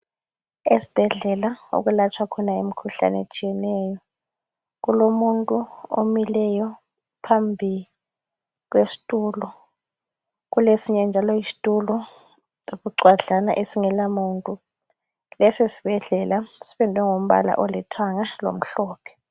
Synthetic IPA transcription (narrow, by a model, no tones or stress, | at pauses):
esi̥b̥ʱɛɮɛlao̰k̬ulat͡ʃʰwakʰɔnaem̩kʰuɬa̰nɛ̰t͡ʃʼijɛnɛːjɔ | k̬ulomuntʼuo̰milɛjɔ | pʰambʱi | k̬wesi̥tʼuːlɔ | k̬ulesiɲɛnd͡ʒʱalɔisi̥tʼulɔ | iɓuǀwaɮanaʔesiŋɛlamuntʼu | lɛsesi̥b̥ʱɛɮɛlasi̥ɓɛndʱwɛŋom̩ɓa̰la̰ʔɔlitʰwaŋalo̰m̩ɬɔːpʰɛ̥